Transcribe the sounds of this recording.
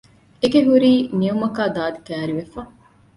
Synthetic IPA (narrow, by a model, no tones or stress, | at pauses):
eɡeɦuɾiːniumɐkaːd̪aːd̪ikæːɾiʋefɐ